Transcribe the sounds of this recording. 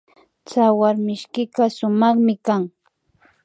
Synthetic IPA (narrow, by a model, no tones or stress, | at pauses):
t͡sawaɾmɪʃkɪkasʊmɑχmɪkaŋ